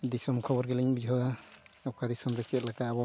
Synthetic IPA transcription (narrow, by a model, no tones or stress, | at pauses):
d̪isɔmkʰɔbɔɾkɛliɲbid͡ʒʱɔaɔkʰad̪isɔmɾɛt͡ʃɛt̪̚lakaːbɔ